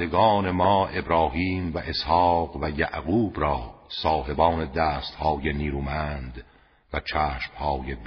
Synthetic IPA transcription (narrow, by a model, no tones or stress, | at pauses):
d̪eɡɒːne̞mɒːʔe̞bɾɒːɦiːmvæʔeshɒːqvæjæʔɣuːbɾɒːsɒːɦe̞bɒːne̞d̪æːst̪hɒːjeniːɾuːmænd̪ | væt͡ʃʰæːʃmhɒːjeb